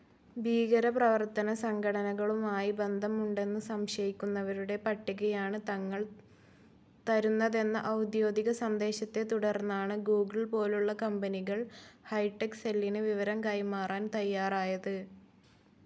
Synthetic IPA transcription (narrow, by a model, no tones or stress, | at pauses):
biːɣɐɾɐprɐʋɐrt̪ɐnɐsɐŋɡʰʱɐɽɐnɐɣɐɭumaːjibe̞nd̪ʱɐmuɳɖe̞nːɨsɐmɕɐjikʲːunːɐʋɐɾuɽe̞pɐʈːiɣɐjaːɳɨt̪ɐŋːɐɭ | t̪ɐɾunːɐðe̞nːɐʔɐwd̪jo̞ːd̪iɣɐsɐnd̪e̞ːɕɐt̪ːe̞t̪uɽɐrnːaːɳɨɡuːɡɨɭpo̞ːluɭːɐkɐmbɐniɣɐɭhɐjʈːekselːinɨʋiʋɐɾɐmkɐjmaːraːnt̪ɐjːaːraːjɐðɨ